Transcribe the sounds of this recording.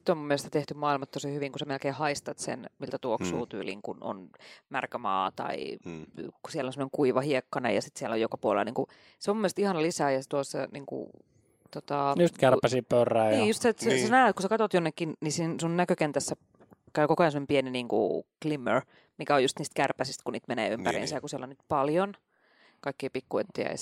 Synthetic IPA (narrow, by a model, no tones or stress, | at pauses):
t̪ːomumːielest̪æt̪eht̪ymɑːilmɑt̪t̪osihyʋiŋkusemelkeːhɑist̪ɑt̪sḛnmilt̪æt̪uoksuːt̪y̰ːlḭŋkuno̰nmærkæmɑ̰ːt̪ɑ̰ḭ | ku̥siɛlːonsemːneŋkuiʋɑhiekːɑnḛjɑsit̪sielːojokɑpuolḛlniːŋku | seomumːelst̪ihɑnɑlisæːjɑset̪uosːɑ̰niːŋkṵ | t̪ot̪ɑjust̪kæræsiːppørːæːjniːjust̪set̪sesenæyt̪kusekɑt̪ot̪jonːekːinnisiːnsunnækøkent̪æsːæ | kæykokoɑsemːonempieniniːŋkṵklimø̰r | mikæojust̪niːst̪kærpæsist̪kuniːt̪menḛːympæ̰rḭːnsæjɑkusielonyt̪pɑljon | kɑikːiipikːuḛnt̪ːḭæ̰j̰